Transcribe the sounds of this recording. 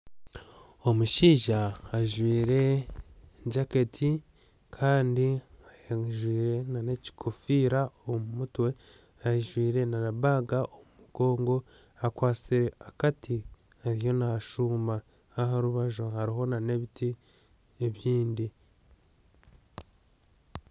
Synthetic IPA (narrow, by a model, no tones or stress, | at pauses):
o̞muʃiːʒaːʒwiːɾe̞ | ɲɟaketʰi | kʰaːndiajaʒwiːɾe̞nane̞ci̥kʰofiːɾaomumutwe̞ | ajeʒwiːɾe̞nanaβaɡaʔomumuɡ̥o̞ːŋɡo̞ | akwaːt͡siakatʰi | aɾijo̞naʃuːma | aɦaɾuβaʒohaɾiɦo̞nane̞βitʰi | eβjiːndi